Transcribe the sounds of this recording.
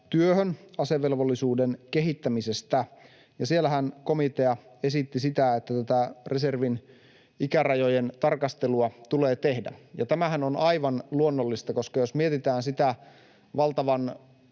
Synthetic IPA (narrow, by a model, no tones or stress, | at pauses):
t̪yøhønɑseʋːelʋolːisuːdenkeɦit̪ːæmisest̪æ | jɑsielːæhænkomit̪e̞ɑesit̪ːisit̪æet̪ːæt̪æt̪æreserʋin | ikærɑjojent̪ɑrkɑst̪eluɑt̪uleːt̪ehdæ̰jɑt̪æmæhænonɑiʋɑnluonːolːist̪ɑkoskɑjosmiet̪it̪æːnsit̪æ | ʋɑlt̪ɑʋɑn